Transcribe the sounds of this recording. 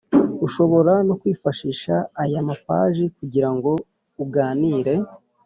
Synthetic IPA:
uʃo̞βo̞ɾano̞kwiːfaʃiːʃaːjamapa̰ːʒikuɟiɾaŋɡo̞ | uɡaːniːɾe̞

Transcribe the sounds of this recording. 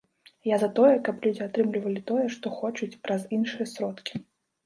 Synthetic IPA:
jazɐt̪ɔjɛkɐplʲud͡zʲiat̪ɾɨmlʲivɐlʲit̪ɔjɛʂt̪ɔxɔt͡ʃut͡sʲpɾɐzinʂɨjɛsɾɔt̪kʲi̥

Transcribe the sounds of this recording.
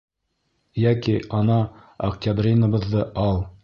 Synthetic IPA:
jækiɑnɑ | ɐktʲabrʲinəbɤ̆ðːɤʔɑlˠ

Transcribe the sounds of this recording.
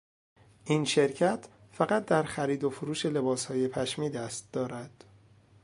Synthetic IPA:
ʔiːnʃe̞ɾcʰæt̪ʰ | fæɣæt̪̚ʰd̪æɾxæɾiːd̪ofoɾuːʃe̞le̞bɒːshɒːje̞pʰæʃmiːd̪æst̪̚d̪̥ɒːɾæd̪̥

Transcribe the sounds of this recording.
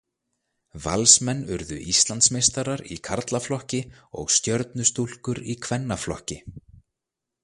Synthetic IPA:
va̰lsmɛnːʏɾðʏ̰ʔist̪lant̪smejst̪aɾaɾḭkʰaɾt̪laflɔhcɪɔ̰ɣst̪jœɾt̪nʏst̪ul̥kʏɾikʰvɛnːaflɔhcɪ

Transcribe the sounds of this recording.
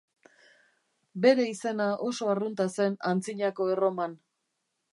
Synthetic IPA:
be̞ɾe̞ise̞naʔo̞so̞arunt̪ase̞nant͡siɲako̞ero̞man

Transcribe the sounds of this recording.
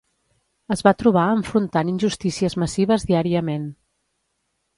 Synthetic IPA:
əzβat̪ɾuβ̞aəɱfɾunt̪aninʲʒust̪isiəzməsiβ̞əzðiaɾiəmen

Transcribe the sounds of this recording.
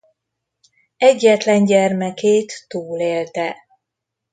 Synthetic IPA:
ɛɟːɛt̪lɛɲɟɛrmɛkeːt̪ːuːleːlt̪ɛ

